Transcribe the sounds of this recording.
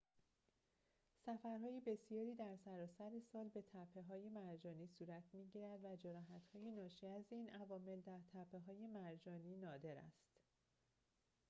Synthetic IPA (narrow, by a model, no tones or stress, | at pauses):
sæfæɾɦɒːjebe̞sijɒːɾiːd̪æɾsæɾɒːsæɾe̞sɒːlbe̞t̪ʰæpʰːe̞ɦɒːje̞mæɾd͡ʒɒːniːsuːɾæt̪ʰmiːɟiːɾæd̪væd͡ʒeɾɒːɦæt̪hɒːjenɒːʃiːæziːnʔævɒːme̞ld̪æɾt̪ʰæpʰːe̞ɦɒːjemæɾd͡ʒɒːniːnɒːd̪e̞ɾæ̰st̪